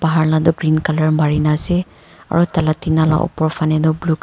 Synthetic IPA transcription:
paɦaɹnadɔbɹinkalaɹmaɹinasɛ | a̰ɹutalatinala̰ʔɔ̰pɔɹfanɛnʊbluk

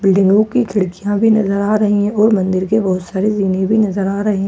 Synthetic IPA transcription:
bɪlɖɪ̃ŋɡõkikʰɪɽkijãbʱinɐzəɾaːɾɐɦiɦɛ̃ʔɔːɾmɐ̃nd̪ɪɾkebɔɦʊt̪saːɾeziːnẽbʱinɐzəɾaːɾɐɦeɦɛ̃

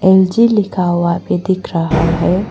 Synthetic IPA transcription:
ɛːld͡ʒilɪkʰaːwaped̪ɪkʰɾɐɦaɦɛː

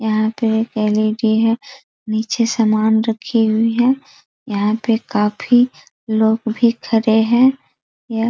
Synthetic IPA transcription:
jɐɦãpeeːkɛːliɖiɦɛ̃ | niːt͡ʃesɐmaːnɾɐkʰiɦʊiɦɛ̃ː | jɐɦãpekaːfʰi | loːɡbʱikʰɐɾeɦɛ̃ | ja

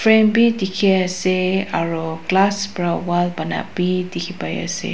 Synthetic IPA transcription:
fɾɛmbit̪ikʰiaseaɹoklasbɾawalbana̰bit̪ikʰipaj̰a̰sḛ

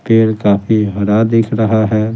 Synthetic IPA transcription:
peːɾkaːfiɦɐɾad̪ɪːkʰɾɐɦaɦɛː

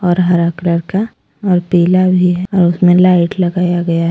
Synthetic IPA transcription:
ɔːɾɦɐɾakləɾka | ɔːɾpiːlabʱiɦɛɔːɾʊsmẽlaːɪʈlɐɡaːjaɡɐjaɦɛ

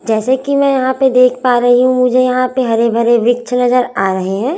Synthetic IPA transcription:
d͡ʒɛːsekimɛ̃ːjɐɦãped̪eːkʰpaːɾɐɦiɦũmʊd͡ʒʱejɐɦãpeɦɐɾebʱɐɾeʋɪkt͡ʃʰnɐzəɾaːɾɐɦeɦɛ̃ː

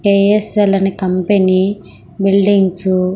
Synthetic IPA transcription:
keeselɐnikɐmpeniː | biɭɖiŋɡsu

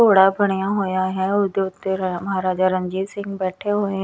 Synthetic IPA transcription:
oːɽaːbəɽ̃ijãːɦoːjaːɦɛ̃ːʊd̪eːt̪ːeməɦaːɾaːd͡ʒaːɾə̃ɲd͡ʒiːsɪ̃ŋɡbɛːʈʰeɦoːe

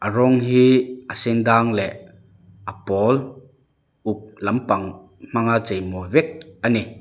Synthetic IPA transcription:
ʔaɾɔŋɦiʔəsind̪aŋlɛ | ʔapɔl | ʔuk̚lɐmpɐŋ | m̥aŋat͡sejmɔjvɛk̚ʔani

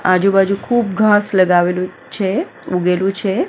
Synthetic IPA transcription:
ad͡ʒũbad͡ʒũkʰuːp̚ɡʱãsləɡaʋelu | t͡ʃʰe | uɡelũt͡ʃʰe

